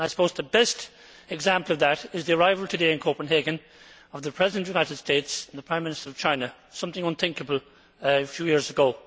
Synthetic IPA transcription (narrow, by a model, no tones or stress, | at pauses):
aɪsə̥pʰoʊzðəbɛst | ɨɡzæ̃mpəlˠʌvðəɾɪzðiə˞aɪvəlˠtʰɨdeɪɨ̃nkʰoʊpə̃n̩ɦeɡɨ̃n | ʌvðəpʰɹ̥ɛzɪdə̃nʔjʉnaɪɾɨd̥steɪtsə̃n̩ðəpʰɹ̥ãɪ̃mɪ̃nɨstə˞ʌv̥t͡ʃʰãɪ̃nə | sʌ̃mθɪ̃ŋʌ̃nθɪ̃ŋkəbəlˠ | fjʉːjɪɹzəɡoʊ